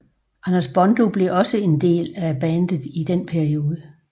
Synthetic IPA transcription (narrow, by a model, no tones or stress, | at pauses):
ʔænɐsb̥ɒ̽nd̥o̝b̥le̝ʔɒ̽səe̝nd̥e̝̰ːlæb̥ænd̥ð̩ˠid̥enpʰæɐio̝ːð̞ˠə